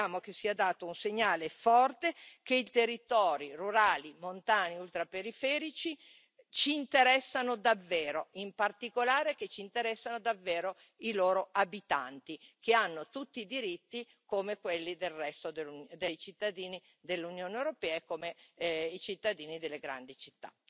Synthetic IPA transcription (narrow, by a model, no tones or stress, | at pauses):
aːmok̟esːiːad̪aːt̪ounseɲːaːlefɔrt̪ekeit̪erːit̪ɔːɾiruɾaːlimont̪aːniult̪ɾapeɾifɛːɾit͡ʃi | t͡ʃiːnt̪eɾɛsːanod̪avːɛːɾoimpart̪ikolaːɾek̟et͡ʃːiːnt̪eɾɛsːanod̪avːeːɾo | iloːɾoabit̪a̰nt̪ikeanːot̪ut̪ːiːd̪iɾit̪ːi | komekwelːid̪elrɛst̪od̪eud̪ejt͡ʃit̪ːad̪iːni | d̪elːunjoːneewɾopɛːaekːoːmeit͡ʃit̪ːad̪iːnid̪elːeɡɾa̰nd̪it͡ʃit̪ːa̰